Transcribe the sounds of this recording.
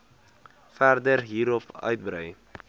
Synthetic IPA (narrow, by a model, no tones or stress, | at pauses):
færdərɦiːɾɔpœ̰ɥt̚bɾœj